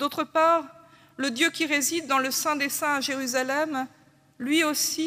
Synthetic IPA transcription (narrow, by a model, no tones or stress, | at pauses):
d̪ot̪χəpaʁ | ləd̪jøkʲiʁezid̪ːɑ̃ləsɛ̃d̪esɛ̃aʒeʁyzalɛm | lɥiosi